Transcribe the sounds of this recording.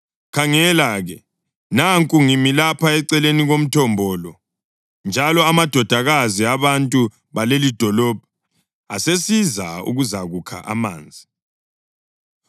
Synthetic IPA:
kʰaŋɛlaɣɛ | naŋkʼuŋimilapʰaɛǀɛleniɣom̩tʰɔmbʱɔːlɔ | nd͡ʒʱalɔamad̥ʱɔd̥ʱaɣaziaβantʼu | βalelid̥ʱɔlɔːb̥ʱḁ | asesizaṵɣuzaɣukʰa̰ʔa̰ma̰ːnd͡zʱi

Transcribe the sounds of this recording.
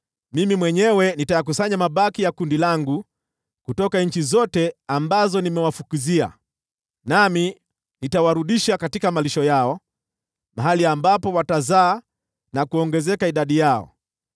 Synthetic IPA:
mimimwɛɲɛwɛnitajak̬usaɲamaɓakijakundilaŋɡu | kutɔkaɲ̩t͡ʃizɔtɛambazɔnimɛwafukuzia̰ | nami | nitawaɾuɗiʃakatikamaliʃɔjaɔ | maɦaliambapɔwatazaː | nakuɔŋɡɛzɛkaiɗaɗijaɔ̰

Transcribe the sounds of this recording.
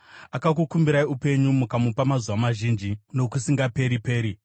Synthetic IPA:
akak̬ukumbiɾaiupe̞ɲumukamupamazuwamaʒind͡ʒino̞kusiŋɡape̞ɾipe̞ːɾi

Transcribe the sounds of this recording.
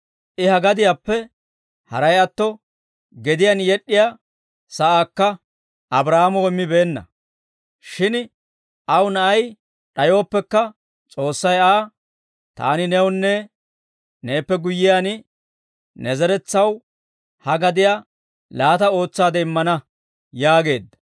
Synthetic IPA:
ʔɪhɐɡɐd̪ɪjaːpːɛ | hɐ̰ɾɐjɐt̪ːɔ | ɡɛd̪ɪjanjɛɗːɪjaː | sɐʔaːkːɐ | ʔɐbɾaːmɔːɪmːɪbe̞ːnːɐ̰ | ʃɪn | ɐwnɐʔɐj | ɗɐjo̞ːpːɛkːɐ | t͡sʼo̞ːsːɐjaː | t̪a̰ːnɪnɛwnːɛ | neːpːɛɡʊjːɪjaːn | nɛzɛɾɛt͡sːɐw | hɐɡɐd̪ɪja | laːt̪ɐo̞ːt͡sːaːd̪ɛɪmːɐnɐ | jaːɡe̞ːd̪ːɐ̥

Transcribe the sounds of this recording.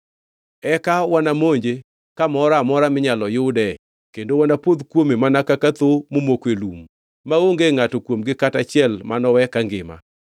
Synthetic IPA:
ɛkawanamoɲd͡ʒe | kamɔɾamɔɾamɪɲalɔjʊdɛ | kendowanapwod̪kwomemanakakat̪omomokwelum | maoŋɡeŋatokwomɡɪkatat͡ʃɪɛlmanɔwɛkaŋɡɪ̰ma̰

